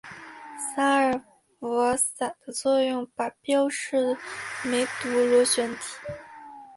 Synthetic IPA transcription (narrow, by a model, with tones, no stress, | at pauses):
sa˥ə˨˩ | fɔ˧˥sa˨˩d̪̥ə˦t͡swɔ˥˧jʊ˥˩ŋpa˨˩pjɑ˥ʊʂɻ̩˥˩me˧˥ɪt̪u˧˥lu˧˥ɕɥɛ˧˥nt̪ʰi̥˨˩˦